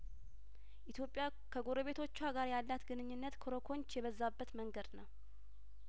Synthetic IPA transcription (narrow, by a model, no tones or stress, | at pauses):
ʔit̪ʰjo̞pʼja | kʰəɡo̞ɾəβe̞t̪ʰo̞t͡ʃːaɡaɾjalːat̪ɡɨnɨɲːɨnːət̪kʰoɾokʰo̞ɲt͡ʃjɛβəzːabːət̪məŋɡəd̪nəw